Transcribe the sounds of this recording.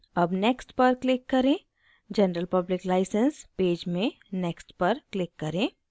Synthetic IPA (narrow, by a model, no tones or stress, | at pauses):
ɐbnɛːksʈpɐɾklɪkːɐɾẽː | d͡ʒɐnɾəlpɐblɪklaːɪsə̃nspeːd͡ʒmẽ | nɛːksʈpɐɾklɪkːɐɾẽː